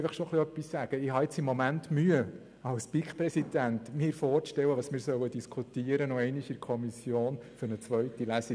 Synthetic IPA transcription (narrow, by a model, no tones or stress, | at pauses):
fəχʃɔχliœpːisːæɡ̥əɪhɑɪt͡simːɔmæntmyə | ɑʊspikχpɾɛsidænt̪mɪːɾfɔːɾʃtɛwəʋɑsmɪːɾsœwəd̥iskʰutiəɾənɔɛɪniʃɪɾkʰɔmisjoːnfʏɾnət͡sʋœɥtilæsi